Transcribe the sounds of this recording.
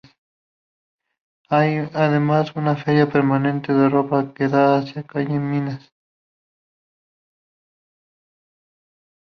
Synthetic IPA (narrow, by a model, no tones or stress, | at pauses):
s | ajaðemasunafeɾjapeɾmanent̪eðeropakeðaːsjakajeminas